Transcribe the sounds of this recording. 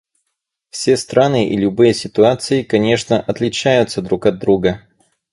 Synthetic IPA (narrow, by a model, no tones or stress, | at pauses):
fsʲe̞st̪ɾʔanɨʔḭlʲʊbɨjəsʲɪt̪ʊat̪sɨɪkɐnʲe̞ʂnəʔɐt̪lʲɪt͡ɕæjʊt̪səd̪ɾukɐd̪ːɾuɡə